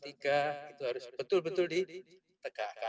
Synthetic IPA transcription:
t̪ikait̪uɦaɾʊsbət̪ʊlbət̪ʊldi | t̪əkaka

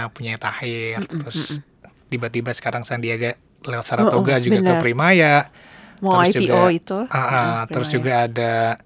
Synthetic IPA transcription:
puɲajt̪ahɪrt̪əɾʊs | d̥̪ibat̪ibasə̥kaɾaŋsaaŋdiaɡa | lewat̪saɾat̪oɡad͡ʒuɡakəpɾimajaʔ | mad͡ʒuiɡaoit̪uaʔat̪əɾʊsd͡ʒuɡaːda

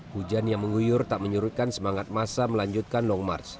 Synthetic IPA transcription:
hud͡ʒanjaŋməŋujʊrt̪aʔməɲuɾut̪̚kansəmaŋat̪̚masaməlaɲd͡ʒut̪̚kanlɔŋma̰rs

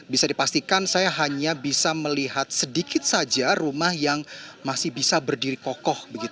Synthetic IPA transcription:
bisadipast̪ikansajaɦaɲabisaməliɦat̪̚sədikɪt̪̚sad͡ʒarumahjaŋmasɪhbisabərdiɾikɔkɔhbəɡit̪

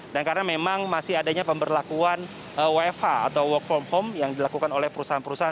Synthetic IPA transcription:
dankaɾənamemaŋmasɪhadaɲapəmbərlakuan | əwefa̰ːt̪awwɔkfɔmhomjaŋdilakukanolɛhpəɾusaɦanpəɾusaɦa

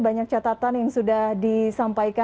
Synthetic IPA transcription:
baɲak̚t͡ʃat̪at̪anjaŋsudahdisampaika

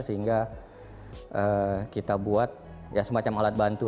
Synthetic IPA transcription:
səɦiŋɡa | ʔəːkit̪abuat̪̚ | jasəmat͡ʃamalat̪̚bant̪u

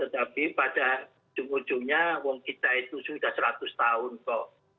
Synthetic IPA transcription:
t̪ət̪apipad̥ḁ | d͡ʒ̥umud̥d͡ʒ̥uɲawɔŋkit̪ait̪usud̥ahsɾat̪ʊst̪aʊnkɔʔ

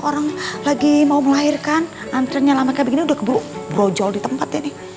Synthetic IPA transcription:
oɾaŋlaɡimauməlairkan | ant̪ɾanɲalamakabəɡiniudahkbɾobɾod͡ʒɔldit̪əmpat̪anɪh

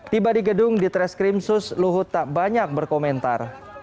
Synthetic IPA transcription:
t̪ibadiɡədʊŋdit̪ɾɛskɾimsʊsluɦʊt̪ːaʔbaɲak̚bərkomɛnt̪ar

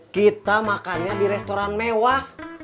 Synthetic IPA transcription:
kit̪amakanɲabiɾɛst̪oɾanmewah

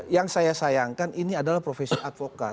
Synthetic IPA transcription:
jaŋsajasajaŋkaniniadalahpɾofesiʔat̪̚fokat̚

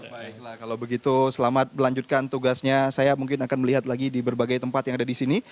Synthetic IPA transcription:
baɪk̚lahkalawbəɡit̪usəlamat̪̚məlaɲd͡ʒut̪̚kant̪uɡasɲasajamuŋkɪnakanməliɦat̪laɡidibərbaɡajt̪əmpat̪jaŋadadisini

